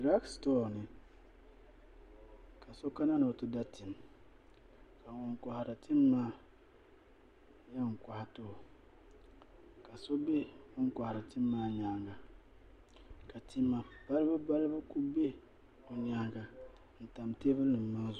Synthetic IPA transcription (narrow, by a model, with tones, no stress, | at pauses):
dɾa˦kstɔ˦˨nɨ˨ | ka˨so˦ka˦na˦no˨tu˦da˦ti˨m | ka˨wɔ˨ŋ˨kʷa˨ha˨ɾa˨ti˦mː˦aː˦˨ | jɛ˦ŋ̩˨kwa˨ha˨to˦˨ | ka˨so˦be˦ŋɔ˦ŋ˦ka˨ha˨ɾa˨ti˦mː˦aː˦ɲa˨ŋɡa˨ | ka˨ti˦mːa˨b̥a˦lba˦ba˦lba˦ku˦be˦ | o˨ɲa˨˦ŋɡa˨ | n̩˨ta˨mte˦bɨ˦nɨ˨m˨ma˦zʊ˨